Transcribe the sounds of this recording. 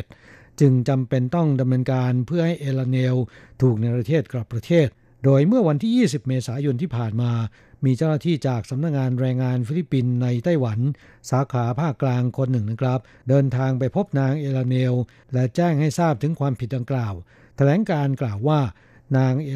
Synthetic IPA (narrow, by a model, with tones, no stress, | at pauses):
t̪̚ | t͡ɕɯ˧ŋt͡ɕa˧mpe˧nt̪ɔ˥˩ŋda˧mnɤː˧nkaː˧npʰɯ˥˩ɐha˥˩jʔeː˧la˧ne˧wt̪ʰuː˨˩k̚na˧jpɾa˧t̪ʰeː˥˩t̪̚kla˨˩pːɾa˧t̪ʰeː˥˩t̪̚ | doː˧jmɯ˥˩ɐwa˧nt̪ʰiː˥˩jiː˥˩si˨˩p̚meː˧saː˩˦jo˧nt̪ʰiː˥˩pʰaː˨˩nmaː˧ | miː˧t͡ɕaː˥˩naː˥˩t̪ʰiː˥˩t͡ɕaː˨˩k̚sa˩˦mna˦˥k̚ŋaː˧nɾɛː˧ŋːaː˧nfiː˧˥li˦˥pːi˧nːa˧jt̪a˥˩jwa˩˦n | saː˩˦kʰaː˩˦˥pʰaː˥˩kːlaː˧ŋkʰo˧nːɯ˨˩ŋna˥˩kʰɾa˦˥p̚ | dɤː˧nt̪ʰaː˧ŋpa˧jpʰo˦˥p̚naː˧ŋʔeː˧la˧ne˧w | lɛ˦˥t͡ɕɛː˥˩ŋha˥˩jsaː˥˩p̚t̪ʰɯ˩˦ŋkʰwaː˧mpʰi˨˩da˧ŋklaː˨˩w | t̪ʰa˧lɛː˩˦nkaː˧nklaː˨˩wːaː˥˩ | naː˧ŋʔ